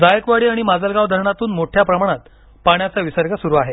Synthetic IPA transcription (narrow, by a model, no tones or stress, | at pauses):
d͡zajəkʋaɽiːaɽ̃imad͡zəlɡaʋd̪ʱəɾɳat̪uːnmoʈʰjapɾəmaɽ̃at̪ | paɳjat͡saʋisəɾɡəsuɾuaɦe